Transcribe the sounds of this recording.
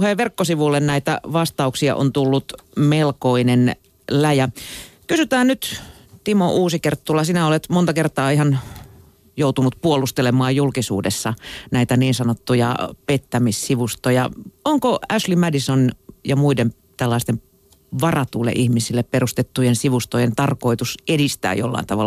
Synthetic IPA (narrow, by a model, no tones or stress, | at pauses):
heːʋʋerkːosiʋulːennæit̪æ̰ʋɑst̪ɑuksiɑ̰ʔo̰nt̪ulːut̪melkoinen | læjækysyt̪æːnnyt̪ | t̪imoʔuːsikert̪ːulɑsinæolet̪mont̪ɑkert̪ɑːihɑn | jout̪unut̪puolust̪elemɑːjjulkisṵːdesːɑnæit̪æniːnsɑnot̪ːujɑ̰pet̪ːæmissiʋust̪ojɑ̰oŋkoæʃlimædisonjɑmuiden | t̪ælːɑist̪em | ʋɑrɑt̪uːlːḛʔihmisilːepperust̪et̪ːujensiʋust̪ojent̪ɑrkoit̪usedist̪æ̰ːjo̰lːɑ̰int̪ɑʋɑlː